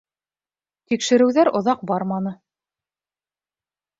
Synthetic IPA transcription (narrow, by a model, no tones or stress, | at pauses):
t̪ikʃɘ̆ɾɘ̆wðæɾʔŏðɑq̚bɑɾmɑnɤ